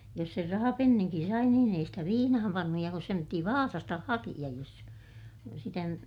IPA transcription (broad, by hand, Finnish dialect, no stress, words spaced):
jos ser rɑhɑpenːiŋkin sɑi niːn ei stæ ʋiːnɑhɑm pɑnːuj jɑ kus sem piti ʋɑːsɑstɑ hɑkij̆ɑj jos sitæ sitæ nyt